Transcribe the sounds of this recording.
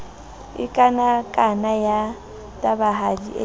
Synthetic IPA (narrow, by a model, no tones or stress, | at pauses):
ɪ̰kʼanakʼanaja | tʼabaɦadiʔḛ